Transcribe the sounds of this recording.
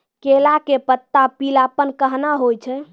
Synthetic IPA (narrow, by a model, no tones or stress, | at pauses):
kelakepət̪ːapilapənkəɦnaɦojt͡ʃʰɛ